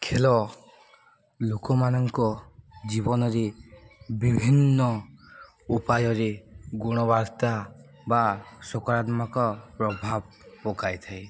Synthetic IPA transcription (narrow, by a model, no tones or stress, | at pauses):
kʰelɔ | lokɔmanɔŋkɔd͡ʒibɔnɔɾe | bibʱinːɔ | upajɔɾeɡoɽ̃ɔβaɾt̪a | basokɔɾat̪mɔkɔpɾɔbʱab̚ | pɔkajt̪ʰaj